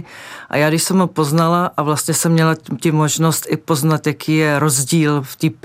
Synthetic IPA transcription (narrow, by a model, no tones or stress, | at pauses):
ʔa̰jaːɡdɪʃsɛmɦopo̞znalaʔavlast̪ɲɛsɛmːɲɛlacɪmo̞ʒnost̪ʔɪpo̞znat̪jakʰiːjɛɾo̞zɟiːlft̪iːp